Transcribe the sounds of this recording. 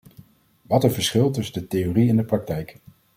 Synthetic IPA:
ʋɑtəvəɹsχɪlˠtɵsəndətejoriɛndəprɑk̚tɛjk

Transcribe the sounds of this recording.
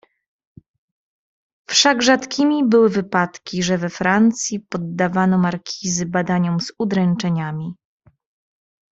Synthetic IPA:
fʂaɡʐat̪kʲimʲibɘwɘvɘpat̪kʲiʐɛvɛfɾant̪sʲjipɔd̪ːavanɔmaɾkʲʰizɘbad̪aɲɔmz̥ud̪ɾɛnt͡ʂɛɲamʲi

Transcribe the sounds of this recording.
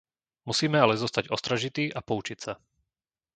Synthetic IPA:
musiːmɛalɛzɔst̪aɟɔst̪ɾaʒit̪iːʔapɔut͡ʃicsa

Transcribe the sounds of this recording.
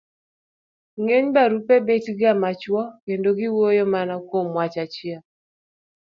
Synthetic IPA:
ŋeɲbaɾupebetɡamat͡ʃwɔkendoɡɪwojomanakwomwat͡ʃat͡ʃɪa

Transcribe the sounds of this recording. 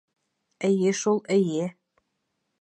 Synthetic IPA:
ɘ̆jeʃulˠɘ̆je

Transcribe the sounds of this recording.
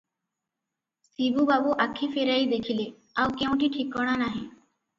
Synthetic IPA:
sibubabuʔakʰifeɾaiːd̪ekʰile | aʋkẽʋʈiːʈʰikəʋɽ̃anaɦe

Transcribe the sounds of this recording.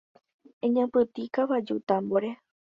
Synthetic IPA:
ẽɲãpɨt̪ikaʋad͡ʒṵt̪amboɾe

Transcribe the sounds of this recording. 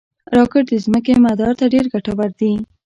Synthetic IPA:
ɾɑkɪʈ̚d̪əzməkemad̪ɑɾt̪aɖeɾɡaʈabaɾd̪i

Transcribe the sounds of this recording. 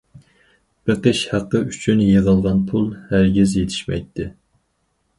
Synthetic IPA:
b̥eqəʃhæqːəyt͡ʃʰynjeʁəlˠʁɑnpʰulˠhæɾɡʲizjet̪ʰɪ̥ʃmɛ̰jt̪ʰːɪ

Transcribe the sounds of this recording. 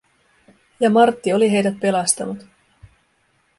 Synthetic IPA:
jɑmɑrt̪ːio̞liɦe̞jdæt̪̚pe̞lɑst̪ɑnut̪

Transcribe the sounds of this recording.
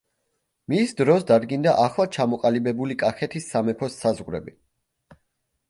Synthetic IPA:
misd̪ɾɔsd̪ad̪ɡind̪aʔaχlˠat͡ʃʰamɔqʼalibɛbulikʼaχɛt̪ʰisːamɛpʰɔsːazʁɾɛ̰bi

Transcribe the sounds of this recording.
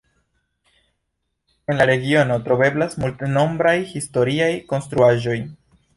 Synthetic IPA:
e̞nlaɾe̞ɡio̞no̞tɾo̞be̞blasmulteno̞mbɾajhisto̞ɾiajko̞nst̪ɾuaʒo̞j

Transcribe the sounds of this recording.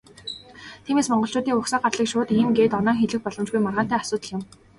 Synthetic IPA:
t̪ʰiːmeːsmɔɴɢɞ̆ɬt͡ɕʊːt̪iːŋʊksăːɢarɮiːkʃʊːt̪iːmɡeːt̪ɔnɔːŋxeɮɘ̆x̚pɔɮɞ̆mt͡ɕɡujmarʁaːnt̪æːasʊːt̪ə̆ɮɪ̆m

